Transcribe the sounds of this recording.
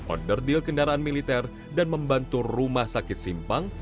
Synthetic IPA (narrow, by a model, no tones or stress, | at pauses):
ʔɔ̰dərdilkəndaɾaanmilit̪ɛr | danməmbant̪urumahsakɪt̪̚simpaŋ